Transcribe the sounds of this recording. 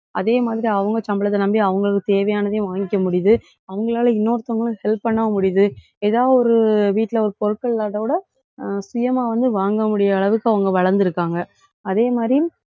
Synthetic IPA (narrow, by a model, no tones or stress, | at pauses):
ʔɐðeːmaːðɪɾiɐʋɐŋɡɐt͡ʃɐmbɐɭɐðɐnɐmbiɐʋɐŋɡɐɭɯkːɯt̪eːʋɐjaːnɐðejʋaːŋɡɪkːɐmʊɽɪjɐðɯ | ɐʋɐŋɡɐɭaːlɐɪnːoːɾɯt̪ːɐʋɐŋɡɐɭɯ̃hɛlpːɐɳːɐɐmʊɽɪjɐðɯ | eːðaːɔɾɯʋiːʈːɪlɐɔɾɯpɔɾɯkːɐɭːaːʈɐʋɯɽɐ | sʊjɐmaːʋɐnd̪ɯʋaːŋɡɐmʊɽɪjɐːɭɐʋɯkːɯɐʋɐŋɡɐʋɐɭɐɾnd̪ɪɾɯkːaːŋɡɐ | ɐðeːmaːd̪ɾijm